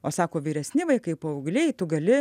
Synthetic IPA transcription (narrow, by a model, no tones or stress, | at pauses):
oːsɑːkoːʋʲiːɾʲɛsʲnʲɪʋɐɪkɐɪpoːɐʊɡlʲɛɪt̪ʊɡɐlʲɪ